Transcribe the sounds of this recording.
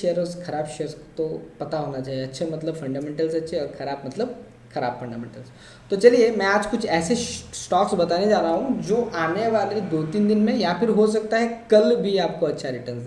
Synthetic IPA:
eəɾəɾskʰɐɾaːbʃeəɾst̪opɐt̪aɦonat͡ʃaːɦijeɐtːʃʰemɐt̪ləbfɐɳɖamẽɳʈəlsɐtːʃʰeɔɾkʰɐɾaːb̚mɐt̪ləb̚ | kʰɐɾaːbfə̃ɳɖamḛ̃ɳʈəls | t̪ot͡ʃɐliemɛ̃aːd͡ʒkʊt͡ʃʰɛːsesʈɔːksbɐt̪aned͡ʒaːɾaɦũd͡ʒoːʔaːneʋad̪ed̪oːt̪iːnd̪inmẽjafɪɾɦosɐk̚t̪aɦɛkɐlbʱiaːp̚koɐtːʃʰaɾɪʈəɾns

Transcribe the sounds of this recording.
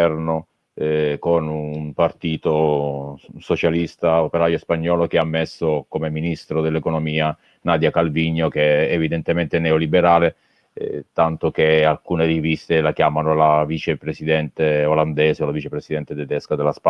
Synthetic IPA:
ɛrno | konumpart̪iːt̪o | sot͡ʃalist̪aopeɾaːjospaɲːɔːlok̟eamːesːokomeminist̪ɾod̪elːekonomiːa | naːd̪jakalviɲːok̟eːvid̪ent̪ement̪enɛolibeɾaːle | t̪ant̪okealkuːnerivist̪elakjaːmanolavit͡ʃepɾesid̪ɛnt̪eoland̪ɛːseolavit͡ʃepɾesid̪ɛnt̪et̪ed̪ɛskad̪elaspa

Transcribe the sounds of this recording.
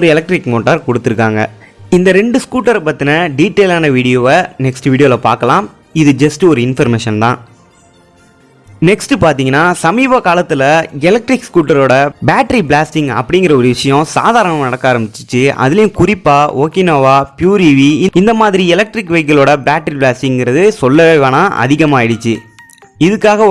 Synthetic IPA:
ɔɾɯɛlɐk̚ʈɾɪkmoːʈːaɾkɔɽɯt̪ːɯɾɯkːaːŋɡɐ̰ɪnd̪ɐɾɛɳɖɯskuːʈːɐɾpɐt̪ːɪnɐɖiːʈːeːlaːnɐʋiːɽɪjoːʋɐnɛksʈɯʋiːɽɪjoːlɐpaːɾkɐlãːm | ɪðɯd͡ʒɐsʈɯɔɾɯɪnfɐɾmeːʂɐnt̪ã̰ː | nɛksʈɯpaːɾt̪̬iːŋɡɐnːaːsɐmiːbɐkaːlɐt̪ːɪlɐɛlɐk̚ʈɾɪkskuːʈːɐɾoːɽɐbaːʈːɐɾiblaːsʈɪŋɡɐ̰pːɐɽɪŋɡɪɾɐɔɾɯʋɪʂɐjɔ̃sa̰ːðaːɾɐɳɐmanɐɽɐkːaːɾɐmbɪt͡ʃːɯ̥t͡ʃːɯɐ̰ðɪlɐjʊ̃kʊɾɪpːaːʔoːkɪnoːʋaːpjuːɾiʋiɪɪnd̪ɐmaːðɪɾiɛlɐk̚ʈɾɪkːʋɐɪkːɐɭoːɽɐbaːʈɾiblaːsʈɪŋɡɪɾɐðɯsɔlːɐʋeːʋaːnaːʔɐ̰ðɪɣɐmaːɪɽɯt͡ʃːɯ | ɪðɯkːaːɣɐ

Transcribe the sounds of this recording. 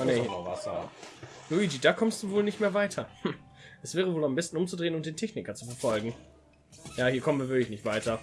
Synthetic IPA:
nehiɐnava̰sɐ̰ | nuidiːdaːkʰɔmst̚d̥uːvoːlnɪçtmeːɐvaɪtʰɐh̩ | ʔɛsv̥ɛːʁəvoːlambɪstnʔʊmt͡sudʁeːənʊnmtdeːntʰɛçnɪkɐt͡sufɛɐfɔlɡŋ̩ | jaːhiːɐkʰɔmənviɐvɪɐlɪçnɪçtv̥aɪtɐ

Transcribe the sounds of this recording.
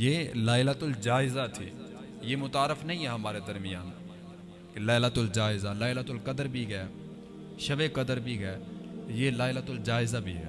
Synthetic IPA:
jeːlaːɪlat̪ʊld͡ʒaːɪzat̪ʰḭː | jeːmʊt̪aːɾəfnəɦĩːɦɛːɦɐmaːɾed̪əɾmɪjaːn | kelaːɪlat̪ʊld͡ʒaːɪzalaːɪlat̪ʊlkəd̪əɾbʱiːɡɛː | ʃəʋekəd̪əɾbʱiːɡɛːjeːlaːɪlat̪ʊld͡ʒaːɪzabʱḭːɦɛ̰ː

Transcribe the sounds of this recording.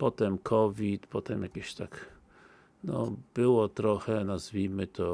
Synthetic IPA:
pɔt̪ɛmkʰɔvʲit̪pɔt̪ɛmjakʲeɕt̪ak | nɔ̰b̥ɘwɔt̪ɾɔxɛnazvʲimɘt̪ʰɔ

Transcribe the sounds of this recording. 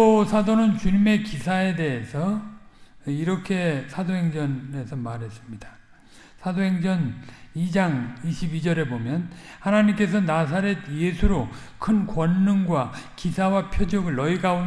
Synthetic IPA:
osʰadonɯnt͡ɕuɲime̞kisʰae̞de̞esʰʌ | iɾʌkʰe̞sʰadoɦe̞ŋd͡ʑʌne̞sʰʌmaɾɦe̞s͈ɯmɲid̥ḁ | sʰadoɦe̞ŋd͡ʑʌnid͡ʑaŋiɕʰibid͡ʑʌɾe̞bomjʌnhanaɲimk͈e̞s̬ʰʌnas̬ʰaɾe̞djesʰuɾo | kʰɯnkwʌnːɯŋɡwakisʰawapʰjʌd͡ʑʌɡɯɭːʌiɡaun

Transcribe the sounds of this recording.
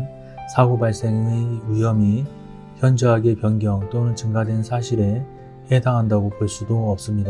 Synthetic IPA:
sʰaɡobaɭs͈e̞ŋeɥijʌmi | çjʌnd͡ʑʌɦaɡepjʌnɡjʌŋt͈onɯnt͡ɕɯŋɡadwe̞nsʰaɕʰiɾe | he̞saŋɦandaɡopoɭs͈udoʌp̚s͈ɯmɲida

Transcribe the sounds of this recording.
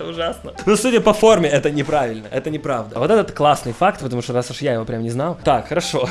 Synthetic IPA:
ʊʐasnənusudʲəpɐfo̞rmʲɪɛt̪ənʲɪpɾavʲɪlʲnəʔɛt̪ənʲɪpɾavd̪əvo̞t̪ɛt̪ət̪klˠasnɨjfakt̪̚pət̪ɐmuʂt̪oɾasʊʂjajɪvo̞pɾʲamnʲɪznaj̪ˠt̪akxəɾɐʂo̞

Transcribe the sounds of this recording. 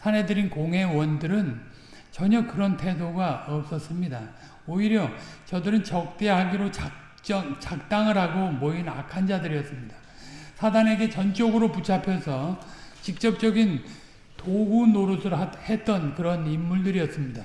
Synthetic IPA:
sʰane̞dɯɾinkoŋɦe̞wʌndɯɾɯn | t͡ɕʌɲʌkɯɾʌntʰe̞doɡaʌp̚s͈ʌs͈ɯmɲida | oiɾjʌt͡ɕʌdɯɾɯnt͡ɕʌk̚t͈e̞ɦaɡiɾot͡ɕa | t͡ɕ͈ʌŋt͡ɕak̚t͈aŋɯɾɦaɡomoina̰kʰand͡ʑadɯɾiʌs͈ɯmɲida | sʰadaŋe̞ɡe̞t͡ɕʌnt͡ɕ͈ʌɡɯɾoput͡ɕʰapʰjʌsʰʌt͡ɕik̚t͡ɕ͈ʌp̚t͡ɕ͈ʌɡin | toɡunːoɾusʰɯɾhe̞t͈ʌnkɯɾʌnimːuɭdɯɾiʌts͈ɯmɲida

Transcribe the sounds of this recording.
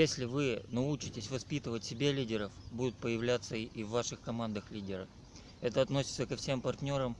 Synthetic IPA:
jesʲlʲɪvɨnɐut͡ɕɪtʲɪsʲvɐspʲit̪ɨvətʲsʲɪbʲelʲidʲɪɾəfbud̪ʊt̪̚pəjɪvlʲat̪səiivːaʂɨxkɐmand̪əxlʲidʲɪɾə | ɛt̪əɐt̪no̞sʲɪt̪səkɐfsʲe̞mpɐrt̪ʲnʲoɾəm

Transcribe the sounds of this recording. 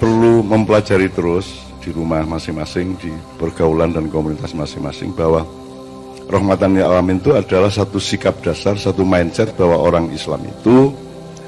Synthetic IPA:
pərluməmpəlad͡ʒaɾit̪əɾʊs | d̥iɾumahmasɪŋmasɪŋd̥ipərɡ̥aulandankomunit̪asmasɪŋma̰sɪ̰ŋb̥awa | rɔhmat̪anjaalamɪnt̪uad̥alahsat̪usikap̚d̥a̤sarsat̪umainsɛt̪̚b̥awaoɾaŋḭsla̰mḭt̪u

